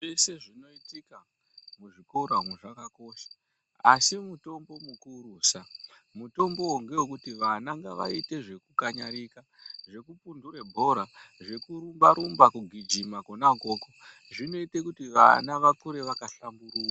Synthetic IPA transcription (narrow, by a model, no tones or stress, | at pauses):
ʐese̞ʐino̞itika | muʐikoɾamuʐakako̞ːʃḁ | asimuto̞mbo̞mukuɾuːsa | muto̞mbo̞oŋɡe̞wek̬utiʋanaŋɡaʋa̰ite̞ʐe̞kukaɲaɾiːka | ʐe̞kupunduɾebʱo̞ɾaʐe̞kuɾumbaɾumbakuɡʱid͡ʒimakonako̞ːko | ʐino̞ite̞kutiʋa̰naʋakuɾe̞ʋakaɬambuɾuːka